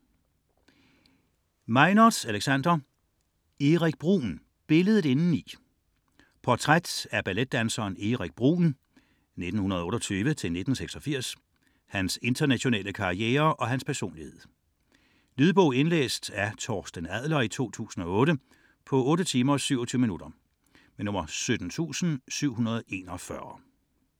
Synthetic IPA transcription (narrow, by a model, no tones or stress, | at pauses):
mɑɪnɒ̥æleɡ̥sænd̥ɐ | eʁaɡ̥̚b̥ʁṵːn | b̥e̝ləð̞̩ˠe̝nn̩i | pʰɒt͡sʰʁad̥æɐb̥æled̥̚ːænsɐːneʁaɡ̥̚b̥ʁṵːn | ne̝d̥n̩hunɐðˠɔ̽ːɾɒt͡sʰyːʋət͡sʰe̝lne̝d̥n̩seɡ̥sɒ̽fiɐ̰s | hænse̝nd̥ɐnæɕo̝nɛ̰ːləkʰɑ̈ieːɐʔɒ̽ɦænspʰæɐso̝̰ːnlihe̝ð̞̰ˠ | liðˠb̥ɔʊ̰e̝nlḛːsd̥æɐt͡sʰɒːsd̥ənæð̰ˠlɐit͡sʰo̝̰ːt͡sʰṵːsn̩ɒ̽ɔ̽ːɾə | pʰɒ̽ɔ̽ːɾət͡sʰiːmɐɒsyʊɐt͡sʰyʊəminud̥ɐ | menɔ̽m̰ɐsød̥n̩t͡sʰṵːsn̩syʊ̰hunɐð̞ˠe̝ːnɒfɶɐ